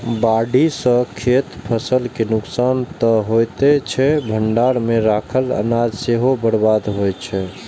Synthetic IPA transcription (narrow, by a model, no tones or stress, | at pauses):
baɖisə̃kʰet̪pʰəsəlkenʊksant̪əɦojt̪et͡ʃʰɛbʱəɳɖaɾmeɾakʰələ̰nad͡ʒseɦobəɽbad̪ɦojt͡ʃʰɛ